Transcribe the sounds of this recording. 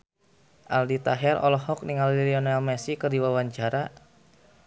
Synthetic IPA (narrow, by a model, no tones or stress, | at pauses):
ʔaldit̪aɦɛɾɔ̰lɔɦɔk̚niŋaliliɔnalmɛsikərdiwawaɲt͡ʃaɾa